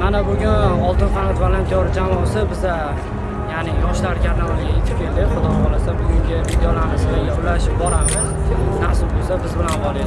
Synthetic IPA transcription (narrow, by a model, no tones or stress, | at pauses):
anabʊɡʲʊnɒlˠt̪ɪnfanɒt̪valant̪ʰʲɒɾɪd͡ʒamɒsɪbɪza | janɪjɒʃlaɾɪkʲʰaɾnalalɪɡʲajet̪ʰɪ̥p̚kʲʰe̞ld̪ɪχʊd̪ɒmɒlasabʊɡʲʊŋɡʲɪvid̪ejolaɾnɪsɡʲaʊlaɪʃɪpbɒɾamɪznasʊlbolsabɪzbɪlanbɒlˠe